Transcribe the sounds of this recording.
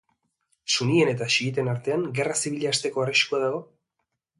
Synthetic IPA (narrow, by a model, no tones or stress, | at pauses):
sunie̞ne̞t̪aʃiɣit̪e̞naɾt̪e̞aŋɡe̞rasiβiʎaːst̪e̞ko̞ariʃkuaðaɣ̞o̞